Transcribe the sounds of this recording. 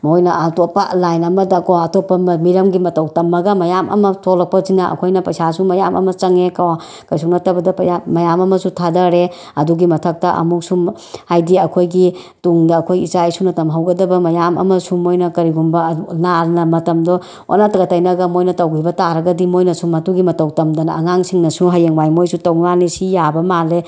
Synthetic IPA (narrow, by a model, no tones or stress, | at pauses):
mojnɐʔɐtopːɐlajnɐmɐdɐkɔɐtopːɐmmiɾɐmɡimɐtɐwtɐmːɐɡɐmɐjamʔɐ̰mɐtʰolɐk̚pɐzinɐʔɐ̰kʰojnɐpɐjsasumɐjamʔɐ̰mɐt͡ʃɐŋekawa | kɐjsʰuŋnɐtɐbɐdɐpɐjamɐjamɐmɐsutʰadɐɾe | ɐduɡimɐtʰɐk̚tɐʔɐ̰muk̚sum | hajdiɐkʰojɡi | tuŋdɐːkʰojit͡ʃajsunɐtɐmɦawɡɐdɐbɐmɐjamʔɐ̰mɐsumojnɐkɐɾiɡumbɐnalnɐmɐtɐmdɔ | o̰natɐɡɐtajnɐɡɐmojnɐtɐwɡibɐtaɾɐɡɐdimojnɐsumɐtuɡimɐtɐwtɐmdɐnɐŋaŋsiŋnɐsuɦajeŋwajmojsutɐwnanisijabɐmale